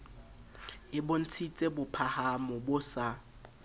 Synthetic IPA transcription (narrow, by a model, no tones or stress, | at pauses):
ɪbʊn̩t͡sʰit͡sʼebʊpʰahamʊbʊsa